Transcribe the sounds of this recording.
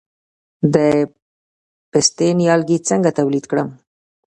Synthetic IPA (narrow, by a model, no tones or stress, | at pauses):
d̪ə | pɪst̪enjɑlɡit͡səŋɡat̪awlid̪kɽəm